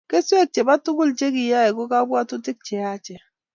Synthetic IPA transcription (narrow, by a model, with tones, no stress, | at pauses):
ke˦se˦˨k̚t͡ʃe˨ba˦tu˦ku˦˨lt͡ʃe˦ki˨ja˦ɛ˨ɡo˦ka˦bwa˦tu˦ti˦k̚t͡ʃɛ˨a˦˨t͡ʃɛ˨